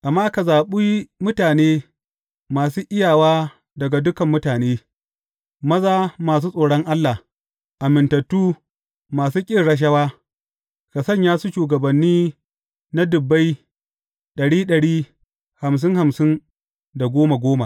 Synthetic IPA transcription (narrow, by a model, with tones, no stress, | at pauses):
ʔa˨mːaː˦ka˨zaː˨ɓu˦ji˦mʊ˦taː˨neː˦ | maː˨s̬uː˦ʔɪ˦jaː˨waː˦ | dɐ˨ɡa˨dʊ˦kɐ˨mːʊ˦taː˨neː˦ | mɐ˦zaː˦maː˨s̬uː˦sʼoː˨ɽɔ˦ŋʔa˦lːa˨ | ʔa˨mɪ˨ntɐ˨tːuː˦ | maː˨suː˦kʲʼɪ˦˨rɽɐ˦ʃ̬ɐ˦waː˦ | ka˨sɐ˦˨ɲjaː˦su˦ʃuː˨ɡɐ˨bɐ˨nːiː˦ | na˦dʊ˨bːa˦j | ɗɐ˨ɽiː˦ɗɐ˨ɽiː˦ | ha˨ms̬ɪ˦ŋha˨msɪ˦n | da˨ɡʷoː˦ma˨ɡʷoː˦ma˨